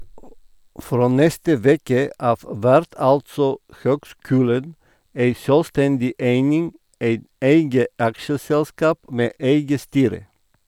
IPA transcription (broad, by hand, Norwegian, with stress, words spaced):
ˈfɾoː ˈnɛstə ˈʋeːkə ˈʔɑːʋ ˈʋæɾt ˈɑltsɔ ˈhøːɡˌskʉːlən ˈeɪ ˈsøːlˌstɛndɪ ˈeɪnɪŋ ˈeɪt ˈeɪɡə ˈɑkʃəsɛlˌskɑːp ˈmeː ˈeɪɡə ˈstyːɾə